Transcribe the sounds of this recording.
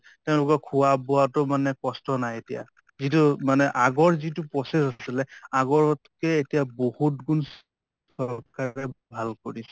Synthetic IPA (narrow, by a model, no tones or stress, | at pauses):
teʊ̃lʊkɔkʰʊaboatʊmanɛkɔstɔnajetija̰ | zit̬umanɛʔaɡɔɹzitupɹɔsesasilɛaɡɔɹtkɛetijabohutɡuns | ɔɹkaɹɛbʱalkoɹisɛ